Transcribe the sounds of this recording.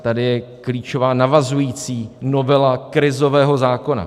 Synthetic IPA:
t̪adɪjɛkliːt͡ʃo̞vaːnavazujiːt͡siːno̞vɛlakɾɪzo̞vɛːɦo̞zaːko̞na̰

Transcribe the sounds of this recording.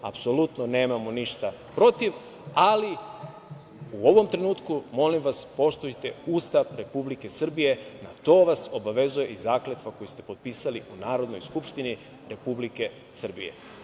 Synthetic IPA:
a̰pso̞lut̪none̞ːmamoniʃt̪a | pɾo̞t̪iʋ | ali | uo̞ʋo̞mt̪ɾe̞nuːt̪kumo̞limʋaspo̞ʃt̪oit̪e̞ust̪aʋɾe̞publike̞sr̩bije̞na̰t̪o̞ːʋaso̞baʋe̞zuje̞ʔizaːklet̪ʋako̞jist̪e̞po̞t̪̚piːsaliunaːɾo̞d̪no̞jskupʃt̪ini | ɾe̞publike̞ | sr̩bḭje̞̰

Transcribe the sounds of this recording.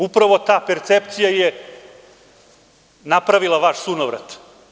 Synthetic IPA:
upɾaʋo̞t̪aːpeɾt̪sep̚t̪sijaje | napɾaʋilaʋaʃsunoʋɾa̰t̪

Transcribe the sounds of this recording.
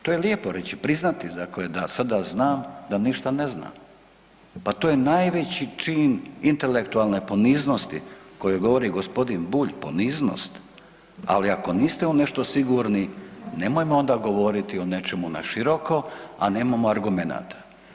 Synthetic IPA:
t̪oːjelje̞po̞ɾe̞t͡ɕipɾiznat̪id̪akled̪asad̪aznaːmd̪aniʃt̪anezna̰ːm | pat̪oːjenajʋe̞t͡ɕit͡ʃiːnint̪e̞lekt̪ualˠnepo̞niːzno̞st̪ḭko̞jeɡo̞ʋo̞ɾiɡospo̞d̪inbuːʎpo̰niːzno̰st̪ | a̰liako̞niːst̪e̞une̞ʃt̪osiɡuɾnine̞mojmoond̪aɡo̞ʋo̞ɾit̪ione̞t͡ʃe̞muna̰ʃiɾo̞ko̞a̰ne̞ːmamoaɾɡume̞na̰ːt̪ʰḁ

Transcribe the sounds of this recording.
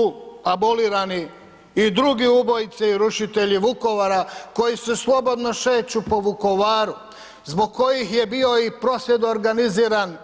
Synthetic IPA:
uaboliːɾaniː | d̪ɾuɡiubo̞jit̪siiɾuʃit̪e̞ʎiʋuko̞ʋaɾako̞jisuslˠo̞bo̞d̪no̞ʃeːt͡ɕupo̞ʋuko̞ʋaːɾu | zbo̞ɡ̚kʰo̞jixje̞bio̞ipɾo̞sje̞d̪ooɾɡaniziːɾan

